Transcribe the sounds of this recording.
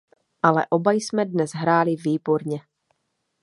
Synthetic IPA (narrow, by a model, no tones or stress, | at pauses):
ʔalɛ̰ʔo̞bajsmɛdnɛzɦɾaːlɪviːboɾɲɛ